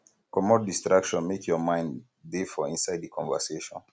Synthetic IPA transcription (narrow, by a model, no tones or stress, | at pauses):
kɔmɔt̚distɹakʃɔ̃nmekjɔmãɪ̃n | defɔĩnsaɪddikʰɔ̃ɱvəseʃɔ̰̃n